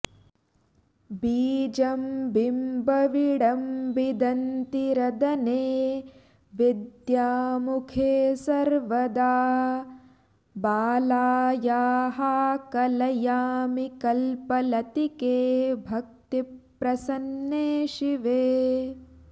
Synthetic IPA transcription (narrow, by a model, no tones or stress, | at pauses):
biːd͡ʒɐmbimbɐʋiɽɐmbid̪ɐnt̪iɾɐd̪ɐneː | ʋid̪jaːmukʰesɐɾʋɐd̪aː | baːlaːjaːɦakɐlɐjaːmikɐlpɐlɐt̪ikeːbʱɐk̚t̪ipɾɐsɐnːeːʃiʋeː